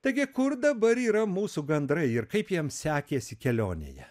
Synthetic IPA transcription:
t̪ɐɪɡʲɪkʊɾd̪ɐbɐɾiːɾɐmuːsuɡɐnd̪ɾɐɪɪɾkɐɪpjiɛmsʲæːkʲeːsʲɪkʲɛlʲoːnʲḛjɛ̰

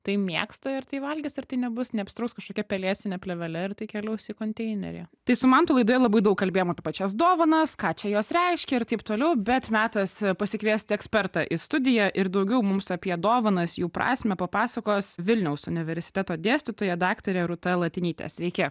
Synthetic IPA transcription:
t̪ɐɪmʲiɛkst̪ɐɪɾt̪ɐɪʋɐlʲɡʲɪsɪɾt̪ɐɪnʲɛbʊsnʲɛɐpʲsʲɪt̪ɾɐʊkskɐʃkoːkʲɛpʲɛlʲiːsʲɪnʲɛpʲlʲɛʋʲɛlʲɛɪɾt̪ɐɪkʲɛlʲɛʊsɪkoːnʲt̪ʲɛɪnʲɛ̰ɾʲḛt̪ɐɪsʊmɐnt̪ʊlˠɐɪd̪oːjɛlˠɐbɐɪd̪ɐʊkːɐlʲbʲeːjoɔmɐpʲiɛpɐt͡ʃʲɛs̬d̪oːʋɐnɐskɑːt͡ʃʲɛjoːsɾʲɛɪʃʲkʲɛɪɾt̪ɐɪpt̪oːlʲɛʊbʲɛt̪mʲæːt̪ɐspɐsʲɪkʋʲiɛsʲt̪ʲɪɛksʲpʲɛɾt̪ɐʔɪst̪ʊd̪ʲɪjɛʔɪɾd̪ɐʊɡʲɛʊmʊmsɐpʲiɛd̪oːʋɐnɐsjuːpɾɑ̰ːsʲmʲɛpɐpɑːsɐkoːsʋʲɪlʲnʲɛʊsʊnʲɪʋʲɛɾʲsʲɪ̥t̪ʲæt̪oːd̪ʲeːsʲtʲɪt̪oːjɛd̪ɑːkt̪oːɾʲɛɾʊt̪ɐlˠɐt̪ʲɪnʲiːt̪ʲɛ̰sʲʋʲɛɪkʲɛ

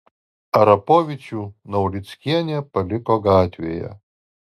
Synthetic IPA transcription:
ɐɾɐpɔvʲɪt͡ʃʲunɐwlʲit̪sʲkʲiɛnʲɛpɐlʲɪkɔɡat̪ʲʋʲḛjɛ̰

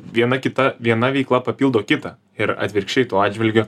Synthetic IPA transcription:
ʋʲiɛnɐkʲɪt̪ɐʋʲiɛnɐʋʲɛɪklˠɐpɐpʲilˠd̪oːkʲɪt̪ɐ | ɪɾɐ̰t̪ʲʋʲɪɾʲkʃʲt͡ʃʲɛɪt̪oːɑːd̪ʲd͡ʒʲʋʲɪlʲɡʲʊ

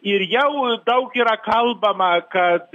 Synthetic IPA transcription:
irjawdawkʲiɾakʰalbamaka

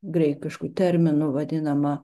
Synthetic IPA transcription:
ɡɾʲɛɪkʲɪʃkut̪ʲɛɾʲmʲɪnʊʋɐd̪ʲɪnɐmɐ

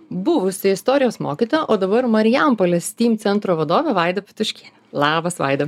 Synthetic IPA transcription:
bʊʋʊsʲɪɪst̪ɔːɾʲɪjoːsmoːkʲiːt̪oːjɛʔoːd̪ɐbɐɾmɐɾʲɪjæmpolʲɛsʲt̪ʲiːmt̪sʲɛnt̪ɾoːʋɐd̪oːʋʲɛʋɑˑɪd̪ɐpʲɪ̥t̪ʊʃʲkʲiː | lˠɑːbɐsʋɑ̰ɪd̪ɐ

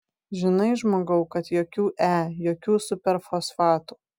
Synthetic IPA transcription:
ʒʲɪnɐɪʒmoːɡɐʊkɐt̪joːkʲuːʔæːjoːkʲuːsʊpʲɛɾfoːsfɑːt̪uː

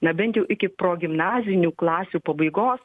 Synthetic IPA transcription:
nɐbʲɛnt̪ʲjɛʊʔɪkʲɪpɾoːɡʲɪmnɑːzʲɪnʲuːklˠɑːsʲuːpɐbɐɪɡoːs

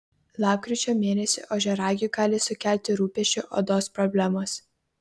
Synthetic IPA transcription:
lˠɑːp̚kɾʲɪˑt͡ʃʲoːmʲeːnʲɛsʲɪ̰ʔoʒʲɛɾɑːɡʲʊɡɑːlʲɪsʊkʲæˑlʲt̪ʲɪɾuːpʲɛʃʲt͡ʃʲʊʔo̰ːd̪oːspɾɔbʲlʲæmoːs

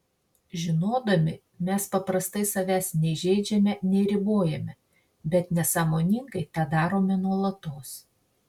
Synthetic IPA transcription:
ʒʲɪnoːd̪ɐmʲɪ | mʲɛspɐpɾɐst̪ɐɪsɐʋʲæːsʲnʲɛɪʒʲɛɪd͡ʒʲɛmʲɛnʲɛɪɾʲɪboːjɛmʲɛ | bʲɛt̪nʲɛsɑːmoːnʲɪŋɡɐɪt̪ɑːd̪ɑːɾoːmʲɛnuɔlˠɐt̪oːs

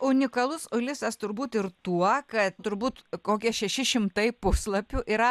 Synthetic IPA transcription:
ʊnʲɪkɐlˠʊsʊlʲɪsɐst̪ʊɾbuːt̪ɪɾt̪uɔkɐt̪t̪ʊɾbuːt̪koːkʲiɛʃʲɛʃʲɪʃʲɪmt̪ɐɪpʊslˠɐpʲuʔiɾɐ

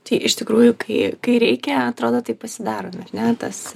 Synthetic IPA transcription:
t̪ɐɪʔɪʃt̪ʲɪkɾuːjʊkɐɪkɐɪɾʲɛɪkʲɛɐt̪ɾoːd̪oːt̪ɐɪpɐsʲɪd̪ɑːɾoːmɐrʲnʲɛt̪ɐs

